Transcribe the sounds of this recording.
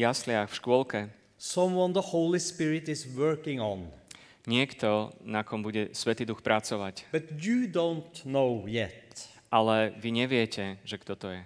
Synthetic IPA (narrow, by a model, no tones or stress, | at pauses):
jaslɪaxfʃkʊɔlkɛ | sʌ̃mwʌ̃nðəhoʊlˠispɪɹɪt̪ɪswɜ˞kɪ̃ŋɔ̃n | ɲɪɛkt̪ɔnakɔmbuɟɛsʋɛt̪iːd̪uxpɾʔat͡sɔʋacb̥ʌt̪jɨd̪õʊnt̪noʊjɛ̰t̪ | ʔalɛʋiɲɛʋɪɛcɛʒɛkt̪ɔt̪ɔjɛ